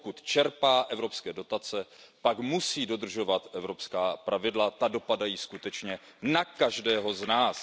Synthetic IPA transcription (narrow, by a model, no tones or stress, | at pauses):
kut̪t͡ʃɛɾpaːʔɛvɾo̞pskɛːdo̞t̪at͡sɛpakmusiːdo̞d̪r̩ʒo̞vat̪ʔɛvɾo̞pskaːpɾʔavɪdlat̪ado̞padajiːskut̪ɛt͡ʃɲɛnakaʒdɛːɦo̞znaːs